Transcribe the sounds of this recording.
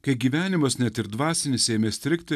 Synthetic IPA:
kɐɪɡʲiːʋʲæːnʲɪmɐsnʲɛt̪ɪɾd̪ʋɑːsʲɪnʲɪsʲeːmʲeːsʲt̪ʲɾʲɪkt̪ʲɪ

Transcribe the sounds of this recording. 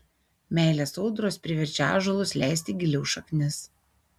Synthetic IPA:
mʲæˑɪlʲesɔʊd̪ɾoːspʲɾʲɪʋʲɛɾʲt͡ʃʲa̰ːʒolˠʊslʲæˑɪsʲt̪ʲiɡʲɪlʲɛʊʃɐknʲɪs

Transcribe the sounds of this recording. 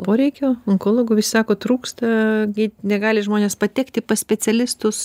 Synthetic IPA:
poːɾʲɛɪkʲoːɐŋkoːlˠoːɡʊːʋʲɪsʲɪ̥sɑːkoːt̪ɾuːkst̪ɐɡʲɪnʲɛɡɑːlʲɪʒmoːnʲeːspɐt̪ʲɛːkt̪ʲɪpɐsʲpʲɛt͡sʲɛlʲɪst̪ʊs

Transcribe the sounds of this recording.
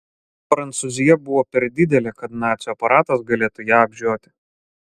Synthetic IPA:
pɾɐnt̪suzʲɪjɛbʊʋoːpʲɛɾd̪ʲɪd̪ʲɛlʲɛkɐt̪nɑːt̪sʲɔːpɐɾɑːt̪ɐs̬ɡɐlʲeːt̪ʊjæːɐbʲʒʲoːt̪ʲɪ̥

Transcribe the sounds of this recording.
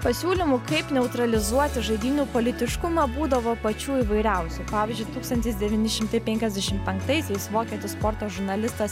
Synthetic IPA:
pɐsʲuːlʲɪmʊkɐɪpnʲɛʊt̪ɾɐlʲɪzuɔt̪ʲɪʒɐɪd̪ʲiːnʲuːpoːlʲɪt̪ʲɪʃkʊmɐbuːd̪ɐʋoːpɐt͡ʃʲuːiːʋɐɪɾʲɛʊsʲupɑːʋʲɪːzʲd͡ʒʲʊɪt̪uːkst̪ɐnt̪ʲɪsd̪ʲɛʋʲɪːnʲɪʃʲɪmt̪ɐɪpʲɛŋʲkʲɛzd̪ʲɛʃʲɪmpʲɛŋkt̪ɐɪsʲɛɪsʋoːkʲɛːt̪ʲɪspɔɾt̪oːʒʊɾnɐlʲɪst̪ɐs

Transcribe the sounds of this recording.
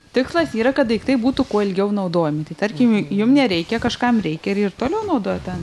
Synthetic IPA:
t̪ʲɪkslˠɐsiːɾɐkɐt̪ʋɐɪkt̪ɐɪbuːt̪ʊkuɔɪlʲɡʲɛʊnɐʊd̪oːjɛmʲɪt̪ɐɪt̪ɐɾʲkʲɪmjʊmnʲɛɾʲɛɪkʲɛkɐʃkɐmɾʲɛɪkʲɛɪɾɪrt̪oːlʲɛʊnɐʊd̪oːjot̪ʲɛn

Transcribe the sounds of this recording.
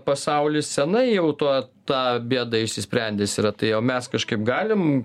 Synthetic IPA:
pɐsɐʊlʲɪssʲɛnɐɪjɛʊt̪oːt̪ɑːbʲiɛd̪ɐɪʃʲsʲɪsʲpʲɾʲɛnʲd̪ʲeːsʲiːɾɐt̪ɐɪjoːmʲɛskɐʃkɐɪpɡɑːlʲɪm

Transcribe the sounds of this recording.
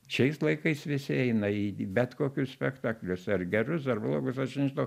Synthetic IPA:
ʃʲɛɪslˠɐɪkɐɪsʋʲɪsʲɪɛɪnɐibʲɛt̪koːkʲʊssʲpʲɛkt̪ɑːklʲʊsɐrɡʲɛɾʊsɐrblˠoːɡʊsɐʃnʲɛʒɪnɐʊ

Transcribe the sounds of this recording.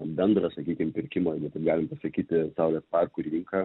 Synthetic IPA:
bʲɛnd̪ɾɐsɐkʲiːkʲɪmpʲɪɾʲkʲɪmoːjɡʲɛt̪ɐɡɑːlʲɪmpɐsɐkʲiːt̪ʲɪsɐʊlʲɛspɑrkʊɾʲʋʲiːŋkɑː

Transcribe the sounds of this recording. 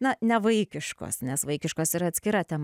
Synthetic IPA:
nɐnʲɛʋɐɪkʲɪʃko̰ːsnʲɛsʋɐɪkʲɪʃkoːsiɾɐːt̪ʲsʲkʲɪɾɐt̪ʲɛm

